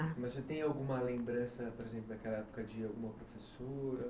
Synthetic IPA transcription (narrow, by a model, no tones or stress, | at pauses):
amɐzet̪ẽj̃awɡũmɐlẽmbɾɐ̃sɐpoɾezẽplʊd̪akɛlɐɛpo̥kɐd͡ʒɪawɡũmɐpɾofesoɾɐ